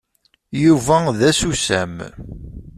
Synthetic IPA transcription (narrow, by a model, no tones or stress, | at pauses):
juvæðæsusæ̰m